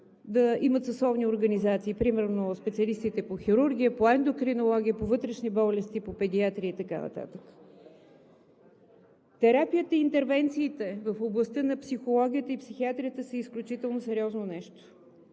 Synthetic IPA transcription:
d̪əimət̪sɐsɔvnioɾɡənizat̪siːpɾimɛɾnospɛt̪siɐlist̪it̪ɛpoxiɾuɾɡ̟ʲiəpˠaɛnd̪okɾinolˠɔɡʲiəpovɤt̪ɾɛʃnibɔlɛst̪ipopɛd̪iat̪ɾiəit̪ɐka̰nɐ̰t̪a̰t̪əkə̥ | t̪ɛɾapijət̪əiːnt̪ɛɾvɛnt̪siːt̪ɛvəfoblˠəst̪ɤnɐpsixolˠɔɡ̟ʲijət̪əipsixiat̪ɾʲijət̪əsəisklʲut͡ʃit̪ɛlˠnosɛɾʲɔznonɛʃt̪o̥

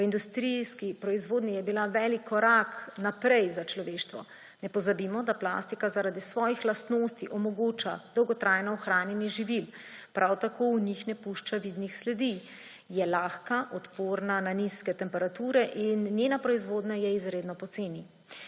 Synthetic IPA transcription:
ʋəind̪ust̪ɾiskipɾɔizʋoːd̪nijɛbilaʋɛːlikʰːɔɾaknapɾɛjzat͡ʃlɔʋeːʃt̪ʋɔ̰ | nɛpɔzabiːmɔd̪apla̰st̪ikazaɾad̪isʋɔːjixlast̪noːst̪iʔɔmɔɡoːt͡ʃa̰d̪̥ɔwɡɔt̪ɾajnɔːxɾaːnjɛnɛʒiʋilpɾʔawt̪akʰowɲixnɛpuʃt͡ʃaʋiːd̪nixslɛd̪i | jɛlaːxkaʔɔt̪poɾnananiskɛt̪ɛmpɛɾat̪uːɾɛʔinːjeːnapɾɔizʋoːd̪najɛizɾeːd̪nɔpɔt̪seːni

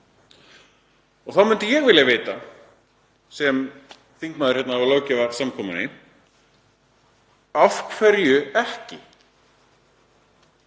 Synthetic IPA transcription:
ɔɣθawmʏnt̪ʏjɛɣvɪːljaveːjt̪a | sɛm | θiŋkmaːðʏɾ̥çɛt̪naawloːwcɛvaɾsamkʰɔːmʏnɪ | afkʰvɛɾjʏɛhcɪ

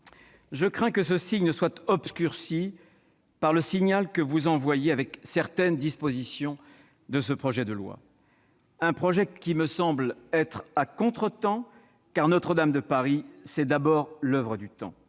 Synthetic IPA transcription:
ʒəkχɛ̃kəsəsiɲnəswat̪ɔbskʲyʁsi | paʁləsiɲalkəvuzɑ̃vwajeavɛksɛʁt̪ɛnd̪ispozisjɔ̃ | d̪əsəpχɔʒɛd̪əlwa̰ | ɛ̃pχɔʒɛkʲiməsɑ̃blɛt̪χakɔ̃t̪χət̪ɑ̃ | kaʁnɔt̪χəd̪amd̪əpaʁisɛd̪abɔʁlœvʁəd̪yt̪ɑ̰̃

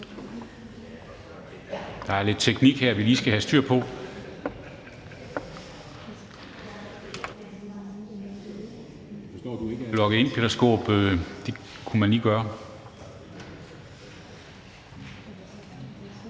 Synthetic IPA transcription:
d̥ɑ̈æɐle̝d̥̚t͡sʰeɡ̥niɡ̥heɐ̰ʋiliːsɡ̥æɦæsd̥yɐ̰pʰɒ̽ | lɒ̽ɡ̥əen̰pʰelɐsɡ̥o̝̰ːb̥ød̥e̝kʰumænliːɡ̥ɶːɐ

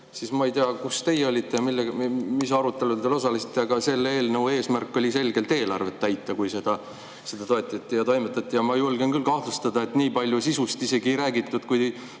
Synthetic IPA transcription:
sismɑejt̪iɑkust̪e̞jeo̞lʲit̪ːe̞jɑmilːemisɑɾut̪ːˑe̞lut̪elo̞s̬ɑlisi̥t̪ːˑeɑɡɑse̞lːe̞ːlnəwe̞ːsmærkːˑo̞lʲise̞lɡe̞lt̪e̞ːlɑ̰rve̞t̪ːæjt̪ːˑɑkujse̞d̪̥ɑ | se̞d̪̥ɑt̪o̞et̪ːˑɑt̪ʲːˑijɑt̪o̞jmet̪ːˑɑt̪ʲːˑijɑmɑjulɡenkylkɑhlust̪ɑd̪̥ɑe̞t̪niːpɑlʲjusisust̪ise̞ɡ̥ijɾæːɡit̪ːˑud̪̥kuj

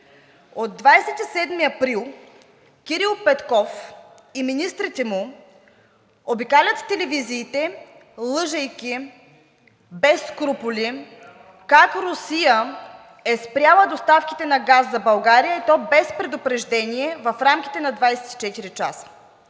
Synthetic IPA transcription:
od̪ːvajsɛt̪isɛd̪miɐpɾilˠ | kʲiɾilˠpɛt̪kɔf | iminist̪ɾit̪ɛmu | obikalʲət̪t̪ɛlɛviziːt̪ɛlˠɤʒɐjk̟ʲi | bɛsːkɾupʊlʲi | kakɾʊsijə | ɛspɾʲjalˠəd̪ost̪afkʲi̥t̪ɛnɐɡazːɐbɐlˠɡaɾijəit̪ɔbɛspɾɛd̪ʊpɾɛʒd̪ɛniɛvɐfɾamk̟ʲi̥t̪ɛnɐd̪vajsɛ̥t̪i̥t͡ʃɛt̪iɾit͡ʃa̰sə̥

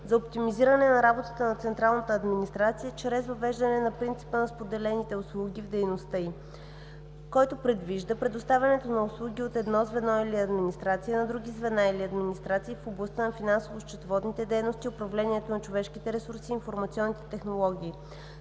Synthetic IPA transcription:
zɐopt̪imiziɾənɛnɐɾabot̪ət̪ənɐt̪sɛnt̪ɾalˠnət̪əːd̪minist̪ɾat̪sijət͡ʃɾɛzvɐvɛʒd̪ɐnɛnɐpɾint̪si̥pənɐspod̪ɛlɛnit̪ɛʊslˠuɡ̟ʲivd̪ɛjnost̪əi | kɔjt̪opɾɛd̪viʒd̪əpɾɛd̪ost̪avʲɐnɛt̪onɐʊslˠuɡʲiot̪ɛd̪nɔzvɛnɔiliɐd̪minist̪ɾat̪sijənɐd̪ɾuɡʲizvɛnailiɐd̪minist̪ɾat̪siːfoblˠɐst̪ənɐfinansovoʃt͡ʃɛ̥t̪vɔd̪nit̪ɛd̪ɛjnost̪iʊpɾɐvlɛniɛt̪onɐt͡ʃovɛʃk̟it̪ɛɾɛsuɾsiːnfoɾmɐt̪siɔnːit̪ɛ̥t̪ɛxnolˠɔɡʲiː

